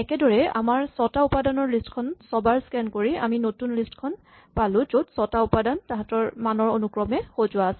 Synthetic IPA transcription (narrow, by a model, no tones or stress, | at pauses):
ɛkɛdɔɹɛa̰maɹsɔtaʊpadanɔɹlistkʰɔnsɔbaɹskɛnkoɹia̰minotunlistkʰɔn | palʊzodsɔtaʊpadantaɦatɔɹmanɔɹonukɹɔmɛxozʊwaːsɛ